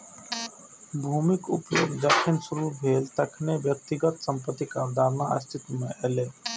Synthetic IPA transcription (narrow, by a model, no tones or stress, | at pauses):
bʱuːmɪkʊ̰pjo̰ːɡd͡ʒ̪əkʰɪnsʊɾubʱeːlt̪ɐkʰneʋjək̚t̪ɪɡət̪sə̃mpət̪ːikaːɾd̪ʱaːɾnaə̰st̪ʰɪt̪mẽʔɛːleː